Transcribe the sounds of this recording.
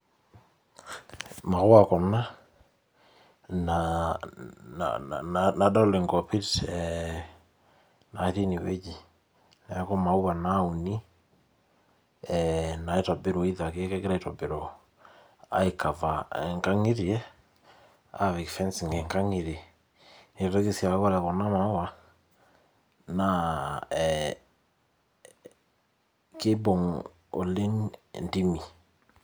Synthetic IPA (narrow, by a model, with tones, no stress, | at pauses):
ma˨ɣo˦a˨kɔ˨na˦ | na | na̰na˨da˦le˨ŋɡɔ˨pi˦tɛ | na˨i˦θi˦ni˨wḛ˦d͡ʒi˨ | na˨˦kɔ˦ma˨u˦βa˨na˦u˨ni˦ | ɛna˨i˦ta˨be˦ɾo˨i˦ða˨ke˦kɛ˦ke˦ɾa˦i˦tɔ˨be˨ɾo | a̰˦e˨ka˨va˨ɛ˨ŋka˦ŋe˦ɾiɛ˦ | a̰βi˨kfɛ˦nsi˨ŋɡe˨ŋka˦ŋe˨ɾe˨ | e˨ta˦ke˦si˨a˨˦ɣɔ˦ɾɛ˨kɔ˨na˦ma˨o˦wa˨ | na˨ | ke˦bɔ˨ŋ | o̰˨le˦ŋndi˦mi˨